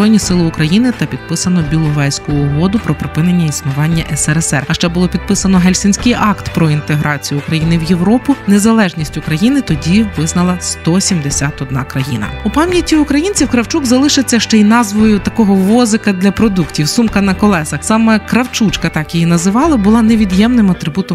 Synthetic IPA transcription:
ɔjnʲisɪlˠɪʊkɾɐjinɪt̪ɐpʲid̪̚pɪsɐnɔbʲilˠʊʋɛjsʲkʊɔːɦɔd̪ʊpɾɔpɾɪpɪnenʲːɐisnʊʋɑnʲːɐʔɛsɛɾɛsɛrɐʃt͡ʃɛbʊlˠɔpʲid̪̚pɪsɐnɔɦɛlʲsʲɪnʲsʲkɪjʔɑkt̪pɾɔint̪eɦɾɑt͡sʲijʊːkɾɐjinɪwjeʋɾɔpʊnezɐlˠɛʒnʲisʲtʲʊkɾɐjinɪt̪ɔdʲiʋɪznɐlˠɐst̪ɔsʲimd̪esʲat̪ɔd̪̚nɑkɾɐjḭnɐ̰upɑmʲjɐtʲːiʊkɾɐjinʲt͡sʲiwkɾɐwt͡ʃuɡzɐlˠɪʃɪt͡sʲːɐʃt͡ʃɛinɑzʋɔjʊt̪ɐkɔɦɔʋɔzɪkɐd̪lʲɐpɾɔd̪uktʲiwsumkɐnɐkɔlˠɛsɐsɑmɛkɾɐwt͡ʃut͡ʃkɐt̪ɑkjijinɐzɪʋɑlˠɪbʊlˠɑneʋʲid̪jɛmnɪmɐt̪ɾɪbut̪ɔ

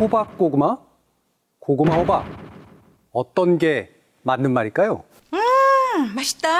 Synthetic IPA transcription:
obak̚k͈oɡɯma | koɡɯmaɦobak̚ | ʌt͈ʌnɡe̞ | manːɯnmaɾiɭk͈ajo | ɯmaɕ͈i̥t͈a

